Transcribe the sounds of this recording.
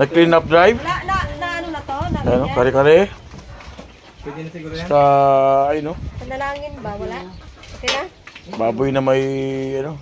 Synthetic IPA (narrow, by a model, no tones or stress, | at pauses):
nɐɡ̚klinap̚d̪ɾajv | anokaɾɛkaɾɛ | kaː | jnoɐnlaːŋɪn | a | baːbʊjnamajɐno